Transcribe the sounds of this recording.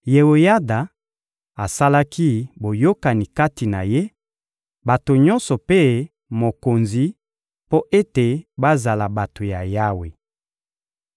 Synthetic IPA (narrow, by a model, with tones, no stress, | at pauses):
je˨wo˨ja˦da˨ | a˨sa˦la˦kʰi˦bo˨jo˦ka˨ni˨ka˦ti˨na˨je˦ | ba˨to˨ɲɔ˦nsɔ˨pe˦ | mo˨ko˨nzi˦ | po˦ʔe˦te˨ba˦za˨la˨ba˨to˨ja˨ja˦we˨